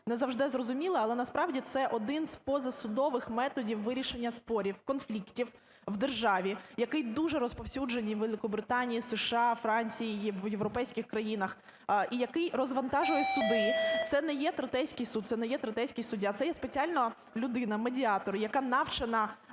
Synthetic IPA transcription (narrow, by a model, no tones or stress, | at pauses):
nɛzɐwʒd̪ɛzrɔzʊmʲilˠɪɐlˠɛnɐspɾɑʋdʲit̪sɛʔɔd̪ɪnzpɔzɐsʊd̪ɔʋɪxmɛt̪ɔdʲiwːɪɾʲiʃenʲːɐspɔɾʲiwkɔnflʲiktʲiw | wd̪erʒɑʋʲijɐkɪjd̪uʒɛɾɔspɔwsʲud͡ʒenʲiʋelˠɪkɔbɾɪt̪ɑnʲijiseʃɑfɾɑnʲt͡sʲijijʋjeʋɾɔpɛjsʲkʲɪxkɾɐjinɐx | ʔijɐkɪjrɔzʋɐnt̪ɑʒʊjɛsʊd̪ɪt̪sɛnɛjɛt̪ɾɐt̪ɛjsʲkɪjsud̪̚t̪sɛnɛjɛt̪ɾɐt̪ɛjsʲkɪjsʊdʲːat̪sɛjɛspet͡sʲiɑlʲnɔ | lʲʊd̪ɪnɐmedʲiɑt̪ɔɾɪjɐkɑnɑwt͡ʃɐnɐ